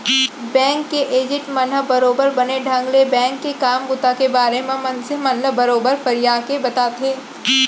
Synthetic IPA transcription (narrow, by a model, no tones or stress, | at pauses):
bɛ̃ːŋkːeʔeːd͡ʒɪʈmɐnəbɐɾoːbəɾbɐneɖʱãːŋɡlebɛ̃ːŋkːekaːmɡʊt̪akebaːɾemẽmɐnseɦmɐnəbɐɾoːbəɾfɐɾijaːkebɐt̪aːt̪ʰeː